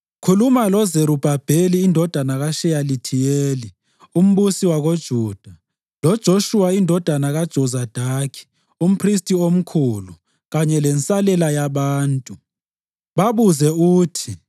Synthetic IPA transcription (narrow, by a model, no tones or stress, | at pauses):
kʰulumalɔzeɾub̥ʱab̥ʱeliːndʱɔd̥ʱanaɣaʃɛjalitʰijeːli | um̩ɓusiwaɣod̥ʒ̥ʱuːd̥ʱa | lɔd̥ʒ̥ʱoʃuwaindʱɔd̥ʱanaɣad̥ʒ̥ʱɔzad̥ʱakʰi̥ | um̩pʰristʼiom̩kʰulu | ɣaɲɛlɛnt͡sʼalɛlajaβaːntʼu | βaβuzɛuːtʰi